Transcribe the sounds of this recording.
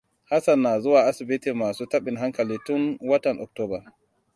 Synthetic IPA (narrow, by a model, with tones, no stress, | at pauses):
ha˦sa˨nːa˨zʊ˦waː˨ʔa˦si˨bi˦ti˨maː˨su˦ta˦ɓi˨nɦa˦ŋka˨liː˦tu˦nwɐ˦tɐ˨nʔɔ̰˨k̚tɔː˦ba˨